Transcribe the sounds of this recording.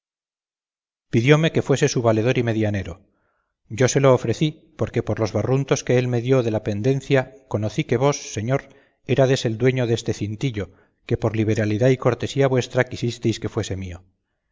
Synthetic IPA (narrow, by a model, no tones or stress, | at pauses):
piðjo̞me̞ke̞fwe̞se̞suβale̞ð̞o̞ɾime̞ðjane̞ɾo̞ | ɟ͡ʝo̞se̞lo̞ːfɾe̞θi | po̞ɾke̞po̞ɾlo̞zβarunt̪o̞ske̞elme̞ðjo̞ðe̞lape̞nd̪ẽ̞n̟θjako̞noθike̞β̞o̞sːe̞ɲo̞ɾ | e̞ɾaðe̞se̞ld̪we̞ɲo̞ðe̞st̪e̞θint̪iʎo̞ | ke̞po̞ɾliβe̞ɾaliðaiko̞ɾt̪e̞siaβwe̞st̪ɾakisist̪e̞jske̞fwe̞se̞mio̞